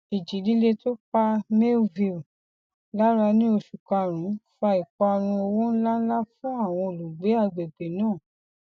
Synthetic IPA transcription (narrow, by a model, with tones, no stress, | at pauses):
i˨d͡ʒi˨˦li˨˦le˧to˦k͡pa˧me˦vi˧˨ | la˦ɾa˧nĩ˦o˧ʃu˨ka˧ɾ̃ũ˨˦fa˧i˨k͡pa˧ɾ̃ũ˧o˧wũ˦n̩˦la˦n̩˦la˦fũ˦a˦˨w̃ɔ̃˧o˧˨lu˨ɡ͡be˨˦a˦˨ɡ͡be˨ɡ͡be˨nãː˦˨